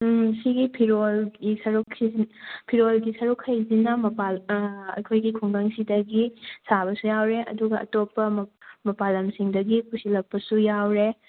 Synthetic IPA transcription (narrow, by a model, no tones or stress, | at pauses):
siɡipʰiɾolɡisɐɾukʰːipʰiɾolɡisɐɾukʰhɐjzinɐmɐpaɐ̰kʰojɡikʰuŋdaŋsidɐɡisaβɐsujawɾeʔɐ̰duɡɐɐ̰topːɐmɐpalɐmsiŋdɐɡikusilɐk̚pɐsujawɾe